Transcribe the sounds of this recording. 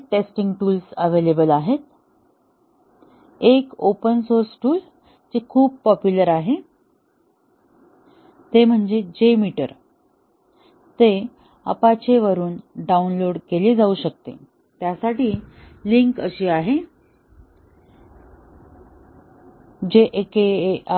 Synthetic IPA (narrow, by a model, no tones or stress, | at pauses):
ʈesʈiŋɡʈuːlsəʋelebəlaɦet̪̚ | ekopənsoɾsʈuːl | d͡ʑekʰuːbpɔpjuləɾaɦe | t̪em̤əɳd͡zed͡ʑemiʈə̰ɾ | t̪e | ə̰pat͡ɕeʋəɾuːnɖaunloɽkeliːd͡zauɕək̚t̪ḛ | t̪jasaʈiː | liŋkə̰ɕiːaɦe | d͡ʑeʔeke